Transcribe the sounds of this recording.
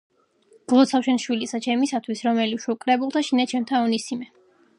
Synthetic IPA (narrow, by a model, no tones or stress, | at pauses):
ɡ̥lˠɔt̪sʰafʃɛnʃwilisat͡ʃʰɛmisat̪ʰwisɾɔmɛliʃukʼɾɛbulˠt̪ʰaʃinat͡ʃʰɛmt̪ʰaɔnisimɛ